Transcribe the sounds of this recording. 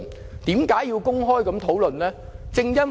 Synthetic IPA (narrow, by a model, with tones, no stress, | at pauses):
n | t̪iː˨˥mkaː˨˥jːiː˧wkʊ˥ŋɦɔː˥jkɐ˨˥mt̪ʰo˨˥wlɵ˨nlɛː˥ | t͡sɪ˧ŋjɐ˥n